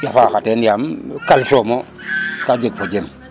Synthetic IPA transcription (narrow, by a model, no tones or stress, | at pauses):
jafakatenjamkalsomo | kad͡ʒek̚pod͡ʒem